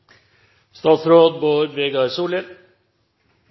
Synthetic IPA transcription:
st̪ɑːt̪sɾoːd̪boːɾʋeːɡɑɾsuːləɾ

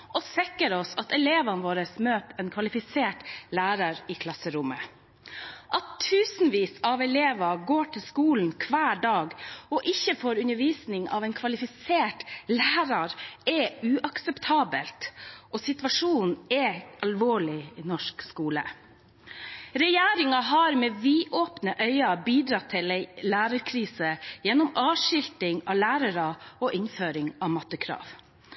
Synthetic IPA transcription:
ʔɔsɛkːəɾɔsɑt̪ɛleːʋɑnʋoːɾəsmøːp̪ɛnkʰʋɑlɪfɪseːʈlæːɾɑɾɪkʰlɑsəɾʊmə | ʔɑt̪ʰːʉːsn̩ʋiːsɑʋɛleːʋɑɡoːʈʰɪlskuːln̩kʰʋæːɖɑːɡɔʔɪçːəfoːɾʉnəɾʋiːsnɪŋɑ̰ʋɛnkʰʋɑlɪfɪseːʈlæːɾɑɾɛʉːʔɑksɛpt̪ʰɑːbəlt̪ʔɔsɪt̪ʋɑʂuːnɛʔɑlʋoːɭɪnɔʂkskuːlə̰ | ɾɛjeːɾɪŋɑɦɑɾmɛːʋiːʔoːpnəʔœʏɑbiːd̪ɾɑt̪ʰːɪlɛlæːɾəɾkʰɾiːsəjɛnːɔmɑːʃɪlt̪ɪŋɑ̰læːɾəɾɑɔʔɪnføːɾɪŋɑʋmɑt̪ːəkʰɾɑ̰ːʋ

